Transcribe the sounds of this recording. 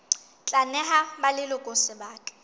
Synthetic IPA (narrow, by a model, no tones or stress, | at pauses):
t͡ɬʼanɛɦabalɪlʊkʼosɪbaːkʼɛ̥